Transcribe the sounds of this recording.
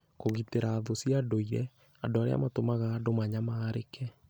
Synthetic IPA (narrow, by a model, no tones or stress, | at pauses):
koɣiteɾaːðosiadoiɾɛ | adoaɾḛa̰matomaɣaːdomaɲamaɾekɛ